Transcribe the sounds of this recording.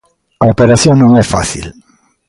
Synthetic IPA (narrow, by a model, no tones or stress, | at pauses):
aopeɾaθjõŋnõŋɛfa̰θḭl